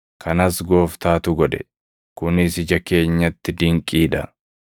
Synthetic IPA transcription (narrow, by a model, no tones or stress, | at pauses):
kʰɐnɐsɡo̞ːft̪aːt̪ʊɡɔᶑɛ̰ | kʊnɪsɪd͡ʒɐke̞ːɲːɐt̪ːɪd̪ɪŋkʼiːᶑɐ